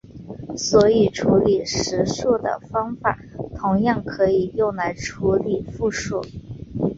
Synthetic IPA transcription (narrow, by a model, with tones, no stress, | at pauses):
swɔ˧˥i˨˩ʈ͡ʂʰu˧˥li˨˩ʂɻ̩˧˥ʂɔ˥˩d̪ə̰˩fɑ˥ŋfa˨˩˦t̪ʰʊ˧˥ŋjɑ˥˩ŋkʰɤ˧˥i˨˩jʊ˥˩ŋla˧˥ɪʈ͡ʂʰu˧˥li˨˩fu˥˧ʂɔ˥˩